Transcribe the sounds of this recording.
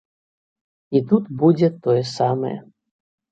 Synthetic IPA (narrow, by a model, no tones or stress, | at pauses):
it̪ut̪bud͡zʲɛt̪ɔjɛsamɐ̰jɛ̰